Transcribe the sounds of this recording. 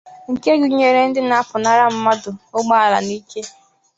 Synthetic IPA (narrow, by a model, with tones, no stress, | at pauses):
ŋ̩˨ke˦ɡu˨ɲe˨ɾe˨n̩˦dɪ˦na˦pʊ˨na˦ɾa˦m̩˦ma˦dʊ˨ʊ˦ɡ͡ba˦a˦la̰˨ni˦ke˦